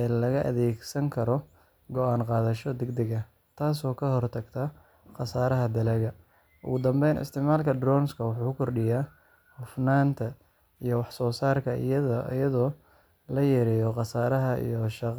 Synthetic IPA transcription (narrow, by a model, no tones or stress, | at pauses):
ɛːlɐɣɐʔɐ̰ðɛːɡsɐŋkʰɐɾɔ | ɡɔʔaːnqɑːðɐʃɔd̪ɛɡd̪ɛɡɐ | t̪ʰaːs̬ɔːkʰɐɦɔrt̪ʰɐɡt̪ʰɐ | qɑsaːɾɐɦɐd̪ɐlɛɣɐ | ʔʊ̰ɣʊd̪ɐmbɛjnʔɪ̰st̪ʰɪʕmaːlkʰɐd̪rɔːnskʰɐwʊħuːkʊkʰɔrɖɪjaː | hʊfnaːnt̪ʰɐ | ijɔwɑħsɔːsaːrkʰɐʔḭjɐðɐʔɐ̰jɐðɔː | lɐjɛːɾɛjɔqɑsaːɾɐɦɐḭjɔʃɑq